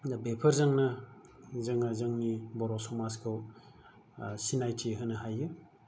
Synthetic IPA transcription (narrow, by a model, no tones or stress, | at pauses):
bepʰɐɾzaŋnɐ | zaŋazɯŋnibɔɾɔsɔmaskʰɯw | sinajtʰiɦɯnɐɦajːɯ